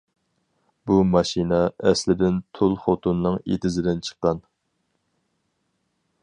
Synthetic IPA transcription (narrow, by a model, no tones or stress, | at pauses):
bumɑʃinɛɛslɪd̪ɪnt̪ʰolˠfot̪unːɨŋḛt̪ʰɪzɪd̪ɪnt͡ʃʰə̥qːɑn